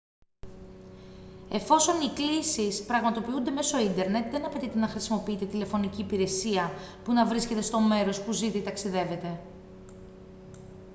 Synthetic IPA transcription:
e̞fo̞so̞niklisispɾɐɣmɐt̪o̞piund̪e̞me̞so̞ind̪e̞ɾne̞t̪ðe̞nɐpe̞t̪it̪e̞nɐxɾisimo̞piit̪et̪ile̞fo̞niciːpiɾe̞siɐpunɐvɾisce̞t̪e̞st̪o̞me̞ɾo̞spuziðit̪ɐksiðe̞ve̞t̪e̞

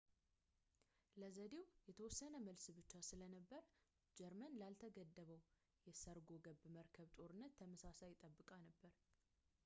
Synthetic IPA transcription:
ləzəd̪e̞wjɛt̪ʰəwɔsːənəməlsbɨt͡ʃːasɨlənəbːəɾ | d͡ʒɛɾmənlalt̪ʰəɡəd̪ːəβəw | jɛsəɾɡo̞ɡəbməɾkʰəβt̪ʼo̞ɾɨnːət̪ʰːəməsasajɪt̪ʼːəbːɨkʼanəbːəɾ

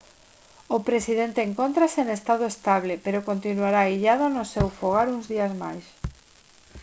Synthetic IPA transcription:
ʊpɾesið̞ent̪eːŋkont̪ɾaseenest̪aðoest̪aβlepeɾokont̪inuaɾaiʎað̞ʊnʊsewfoɣ̞aɾuŋzðiazma̰js

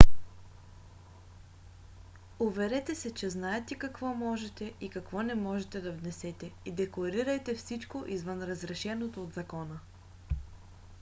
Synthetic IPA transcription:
ovɛɾɛt̪ɛsɛt͡ʃɛznaɛt̪ɛkɐkvɔmɔʒɛt̪ɛʔikɐkvɔnɛmɔʒɛt̪ɛd̪ɐvnɛsɛt̪ɛid̪ɛklˠɐɾiɾɐjt̪ɛfsit͡ʃkoʔizvənɾəzɾɛʃɛnot̪oːd̪zɐkɔnə

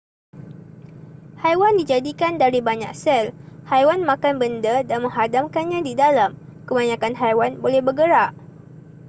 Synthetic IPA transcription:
hajwandid͡ʒadikandaɾibaɲak̚sɛlhajwanmãkanbəndədanmə̃ŋɦadamkanɲãdidalamkəbaɲãkanɦajwanbolɛhbəɡəɾaʔ

